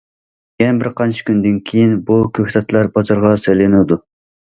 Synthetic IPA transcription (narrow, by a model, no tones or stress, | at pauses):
jɛnbɪɾqʰɑnt͡ʃʰi̥kʲynd̪ɪnkʲʰijinbukʲʰøht̪ɛt̪lˠɑɾbɑzɑɾʁɑselɪnɨd̪u